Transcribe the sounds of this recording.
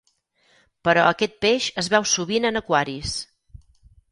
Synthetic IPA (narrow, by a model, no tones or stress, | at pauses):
pəɾɔəkɛt̪̚peʃəzβɛwsuβinənəkwaɾis